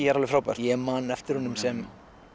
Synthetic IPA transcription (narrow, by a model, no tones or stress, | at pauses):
ɛɾalɪfɾawpɛ̰ɾ̥jɛmanɛft̪ɪɾ̥hunʏmsɛm